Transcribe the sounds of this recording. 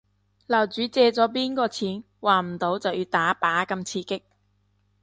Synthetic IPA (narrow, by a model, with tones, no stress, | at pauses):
lɐ˨˩wt͡ʃyː˨˥t͡sɛː˧t͡sɔː˨˥p̬iː˥nkɔː˧t͡sʰiː˨˥n | waː˨˩m̩˨˩t̪o˨˥wt͡sɐ˨wjiː˧wt̪aː˨˥paː˨˥kɐ˧mt͡sʰiː˧kɪ˥k̚